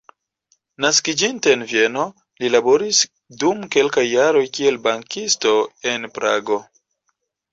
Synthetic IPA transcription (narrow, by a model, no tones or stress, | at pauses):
naskid͡ʒinteːnvie̞no̞ | lilabo̞ɾis | dumke̞lkajːaɾo̞jkie̞lbaŋkisto̞e̞npɾa̰ɡo̞